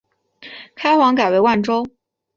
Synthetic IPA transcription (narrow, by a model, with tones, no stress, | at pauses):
kʰa˥ɪxwɑ˧˥ŋka˨˩ɪwe˧˥ɪwa˥˩nʈ͡ʂo˥ʊ